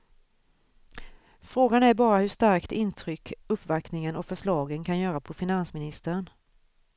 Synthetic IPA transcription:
fɾoːɡanæɾbɑːɾahɵʂt̪aɾkt̪ɪnt̪ʰɾʏkːɵpːvaknɪŋənɔfœʂlɑːɡənkʰanjœːɾapʰɔfɪnansmɪnɪst̪əɾən

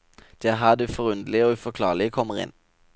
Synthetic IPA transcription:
d̪̥ɛːæːʁɦæːʁd̪ɛːfɔʁʉnd̪əl̩ɪoːʉfɔkʰlɑ̰ːʁlɪəkʰɔmːəʁɪ̰n

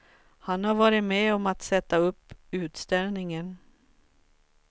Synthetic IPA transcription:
hanhɑɾvɑːɾɪmeːɔmat̪sɛt̪ːaɵpːʉ̟ːt̪st̪ɛlnɪŋən

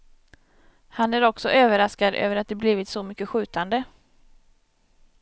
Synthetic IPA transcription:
hanæɾɔksɔʔøːvəɾaskad̪ø̰ːvəɾat̪̚d̪ɛbliːvɪt̪sɔmʏkːəɧʉ̟ːt̪and̪ə

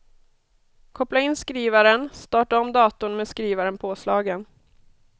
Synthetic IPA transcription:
kʰɔplaɪnːskɾiːvaɾənst̪ɑːʈaɔmd̪ɑːt̪ʊnmeːskɾiːvaɾənpʰoːslɑːɡən

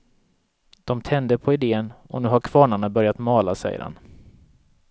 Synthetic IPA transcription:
d̪̥ɔmt̪ʰɛnd̪əpʰɔɪd̪eːənɔ̰nʉ̟ːɦaɾkʰv̥ɑːɳaɳabœɾjat̪mɑːlasɛ̰jə̰ɾha̰n

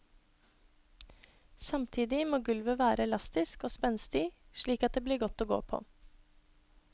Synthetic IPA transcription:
sɑmt̪ʰiːd̪ɪmoːɡʉlʋəʋæːɾəɛlɑst̪ɪskoːspɛnst̪ɪʃɭiːkɑt̪̚d̪eːbliːɾɡɔt̪oːɡo̰ːpʰo̰ː

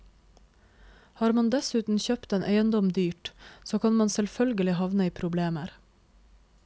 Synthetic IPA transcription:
hɑːɾmɑnd̪ɛsʉːt̪n̩çøːpt̪eːnʔeɪənd̪ɔmd̪yːʈsoːkʰɑnmɑnsɛlfœlɡəlɪhɑʋnəiːpʰɾʊbleːməɾ

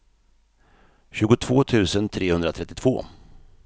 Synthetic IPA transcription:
ɕʉ̟ːɡʊt̪ʰv̥oːt̪ʰʉ̟ːsənt̪ʰɾeːhɵnd̪ɾat̪ʰɾɛt̪ːɪt̪ʰv̥o̰ː

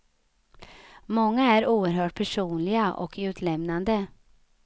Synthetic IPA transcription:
mɔŋːaæɾuːəɾɦœːʈ̚pʰæʂuːnlɪɡaʔɔ̰kʉ̟ːt̪ʰlɛmnand̪ə

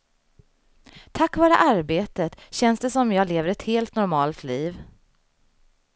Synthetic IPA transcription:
t̪ʰakːvɑːɾə̰ʔaɾbeːt̪ət̪ɕɛnsd̪ɛsɔmjɑːɡleːvəɾɛt̪heːlt̪nɔɾmɑːlt̪liːv

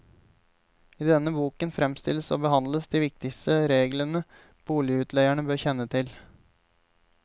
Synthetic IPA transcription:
iːd̪ɛnːəbuːkənfɾɛmst̪ɪ̰ləso̰ːbəhɑnd̪ləsd̪iːʋɪk̚t̪ɪkst̪əɾeːɡlənə | b̥uːlɪəʉːt̪ʰlæɪæɳəbøːɾçɛnːət̪ʰɪl

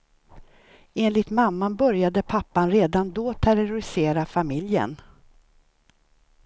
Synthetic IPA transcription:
eːnlɪt̪mamːanbœɾjad̪əpʰapːanɾeːd̪and̪oːt̪ʰæɾʊɾʊɾɪseːɾafamɪljə̰n

